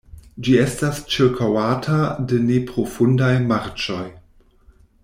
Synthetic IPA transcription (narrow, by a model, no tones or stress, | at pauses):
d͡ʒie̞stast͡ʃiɾkʰawatʰadenepɾo̞fundajmaɾt͡ʃo̞j